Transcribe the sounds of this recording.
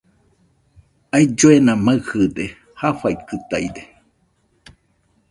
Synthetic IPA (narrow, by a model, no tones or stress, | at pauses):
aid͡ʒoenãmaɨhɨde | hafaikɨt̪aide